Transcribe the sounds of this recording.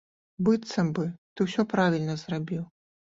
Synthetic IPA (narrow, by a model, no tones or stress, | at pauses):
bɨt̪sɐmbɨt̪ɨwsʲɔpɾavʲilʲnɐzrabʲiw